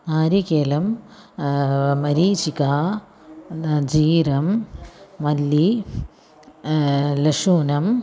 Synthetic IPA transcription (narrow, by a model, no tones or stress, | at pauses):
aːɾikeːlɐm | mɐɾiːt͡ɕikaː | d͡ʑiːɾɐmː | ɐlːi | lɐʂuːnɐm